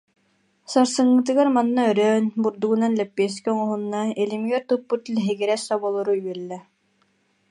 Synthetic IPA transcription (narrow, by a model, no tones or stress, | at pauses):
saɾsɯŋːɯt̪ɯɡaɾmanːaœɾœːnbuɾd̪uɡunanlɛpːiɛs̬kɔŋɔɦunːaɛlimiɡɛɾt̪ɯpːut̪lɛɦɛɡiɾɛsabɔlˠɔɾuyɛlːɛ